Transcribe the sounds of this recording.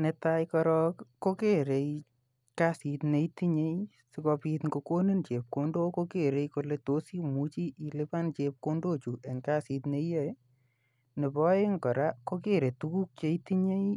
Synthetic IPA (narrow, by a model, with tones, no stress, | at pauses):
ne˨˧tajkɔ˧ɾɔ˦kko˦ke˦ɾe˨i | ka˦si˨tne˧iti˦ɲe˦j | si˦kɔ˧pi˧t̪ŋɡo˧ko˦ni˦nt͡ʃe˨p̚ko˦ndo˦ko˦ke˦˨ɾe˧ko˧le˧to˨˦si˦mu˨˦t͡ʃi˦ʔi˧le˦pa˦nt͡ʃe˧p̚ko˦ndo˦t͡ʃu˨ʔe˨ŋka˦si˨t̪ne˧˦je˦ | ne˨bɔ˦e˦ŋkɔ˨ɾa˦ko˦ke˦ɾe˨tu˧ku˦k̚t͡ʃe˧iti˦ɲe˦j